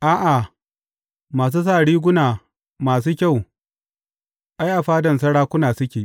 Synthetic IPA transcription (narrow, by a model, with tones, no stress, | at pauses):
ʔaː˦ʔa˨ | maː˨s̬uː˦s̬aː˦˨ɽiː˦ɡʷʊ˦naː˨ | maː˨s̬uː˦kʲa˦˨w | ʔa˦jʔa˨ɸaː˦dɐ˨ns̬ɐ˦ɽaː˦kʷʊ˦naː˨sʊ˦kʲeː˨